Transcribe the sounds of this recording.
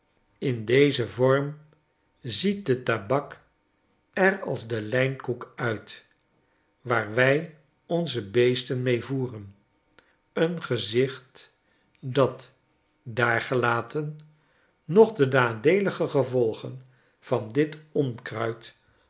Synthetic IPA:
ɪndejzəvɔɹm | zit̚dətabɑk | ɛrɑ̰lˠzdəlɛjnkukœɥt | ʋaːɹʋɛj | ɔnzəbejstənmejvuːrən | ənχəzɪχt | dɑt | daːɹχəlaːtənː | ɔχdənaːdejləχəχəvɔlˠχən | v̥ɑndɪtɔnkrœɥt

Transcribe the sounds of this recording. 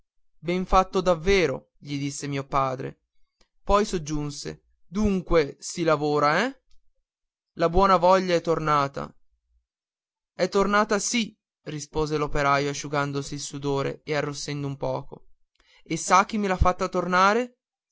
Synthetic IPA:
bɛɱfat̪ːod̪avːeːɾo | ʎid̪isːemiːopaːd̪ɾḛ | pɔjsod͡ʒːunsḛ | d̪uŋkwesilavoːɾaɛ | labwɔːnavɔʎːaɛt̪ːornaːt̪a̰ | ɛt̪ːornaːt̪asi | rispoːzelopeɾaːjoaʃːuɡand̪osiːlsud̪oːɾḛearːosːɛnd̪oumpɔ̰ːko̰ | esːak̟ːimːilafːat̪ːat̪ornaːɾe

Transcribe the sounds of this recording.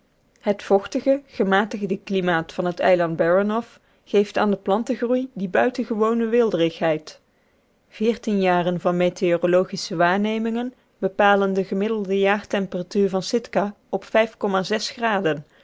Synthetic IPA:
ɦətfɔχtəɣəχəmaːtəɣdəklimaːtfɑnɦətɛ̰jlɑnd̚bɛɹənɔf | χejfta̰ːndəplɑntəχrujdibœɥtənɣəʋownəʋɪlˠdərɪxɦɛjt | v̥ɪːɹtinjaːrənvɑnmeteorolowχisəʋaːɹnejmɪŋən | b̥əpaːləndəɣəmɪdəlˠdəjaːrtɛmpəratyːɹvɑnsɪtka | ɔpfɛjfkɔmaːzɛsχraːdən

